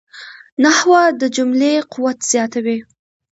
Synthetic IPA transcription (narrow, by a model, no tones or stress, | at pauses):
nahwad̪əd͡ʒʊmlequwat̪z̥jɑt̪awi